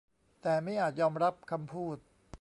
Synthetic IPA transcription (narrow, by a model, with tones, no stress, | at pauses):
t̪ɛː˨˩ma˥˩jʔaː˨˩t̪̚jɔː˧mɾa˦˥p̚kʰa˧mpʰuː˥˩t̪̚